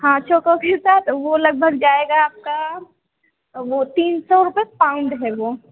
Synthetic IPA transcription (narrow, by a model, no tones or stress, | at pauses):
ɦãːt͡ʃʰoːkõkesaːt̪ʰʋolɐɡ̚bʱəɡd͡ʒaːeːɡaːp̚ka | ʋot̪iːnsɔɾʊpepaːʊ̃ɳɖɦɛʋoː